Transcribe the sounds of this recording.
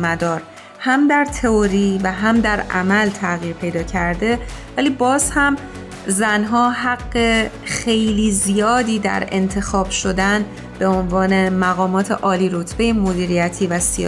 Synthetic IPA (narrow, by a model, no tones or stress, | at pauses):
mæd̪ɒːɾ | hæmd̪æɾt̪ʰe̞oɾiːvæɦæmd̪æɾʔæ̰mælt̪ʰæɣiːɾpʰe̞jd̪ɒːcʰæɾd̪e̞væliːbɒːz̥hæm | zænɦɒːɦæɡːe̞xe̞jliːzijɒːd̪iːd̪æ̰ɾe̞̰nt̪ʰe̞xɒːb̥ʃo̞d̪æn | b̥e̞o̞nvɒːne̞mæɣɒːmɒːt̪ʰe̞̰ʔɒːliːɾo̞t̪ʰb̥e̞jemod̪iːɾijæt̪ʰiːvæsḭ